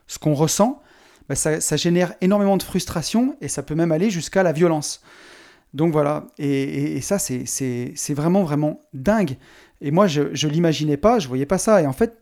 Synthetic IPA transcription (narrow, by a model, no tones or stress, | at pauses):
sə̥kɔ̃ʁəsɑ̃ | basasaʒenɛʁenɔʁmemɑ̃d̪əfχyst̪χasjɔ̃esapømɛmaleʒyskalavjɔlɑ̃s | d̪ɔ̃kvwalaeːsasɛsɛsɛvʁɛmɑ̃vʁɛmɑ̃d̪ɛ̃ɡ | emwaʒəʒəlimaʒinɛpaʒəvwajɛpasaeɑ̃fɛt̪̚